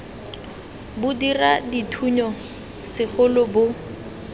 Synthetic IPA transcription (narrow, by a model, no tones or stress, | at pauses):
bʊdiraditʰuɲɔ | sɪχʊlʊbʊ